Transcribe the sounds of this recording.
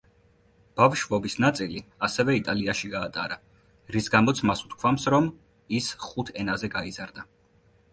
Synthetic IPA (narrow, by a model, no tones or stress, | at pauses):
b̥avʃvɔbisnat̪sʼiliasɛvɛit̪ʼaliaʃiɡaːt̪ʼaɾa | ɾisɡamɔt̪sʰmasu̥t̪kʰwamsɾɔm | isχut̪ʰɛnazɛɡaizaɾd̪a